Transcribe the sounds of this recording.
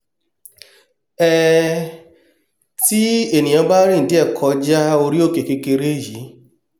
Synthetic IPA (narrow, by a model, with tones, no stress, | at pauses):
ɛ˦ | ti˦e˦˨nĩ˨j̃ã˨˧ba˦ɾi˦n̩˨di˦ɛ˦˨kʰɔ˨˦d͡ʒa˦o˧ɾi˦o˦˨ke˨ke˧˦ke˧ɾe˦˨ji˨˦